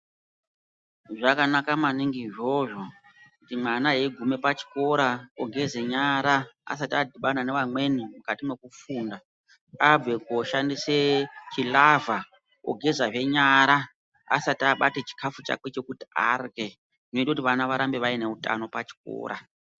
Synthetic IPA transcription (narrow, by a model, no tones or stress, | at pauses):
ʐakanakamaniŋɡiʐoʐo | kutimanaɦeɡʱume̞pat͡ʃi̥ko̞ɾaoɡʱe̞zeɲaɾaa̰satadʱiɓananeʋamwe̞nimukatimwekufunda | abe̞koʃandiset͡ʃilavʱa | o̰ɡʱe̞zaʐe̞ɲaɾa | a̰sataɓatet͡ʃi̥kʰafut͡ʃa̰ket͡ʃe̞kutia̰rɣe̞ | inoitakut̬iʋanaʋaɾambeʋaine̞uta̰no̞pat͡ʃi̥ko̰ːɾʔa